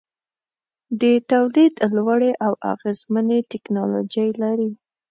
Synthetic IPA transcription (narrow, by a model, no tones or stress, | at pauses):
d̪ət̪awlid̪lwaɽeʔawa̰ɣezmənet̪ɪknɑlo̰d͡ʒajlaɾi